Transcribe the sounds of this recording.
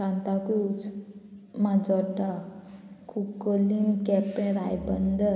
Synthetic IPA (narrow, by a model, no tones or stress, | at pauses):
kãnt̪akuut͡s | mãd͡zɔɖa | kukolimkɛpẽɾajbənd̪ə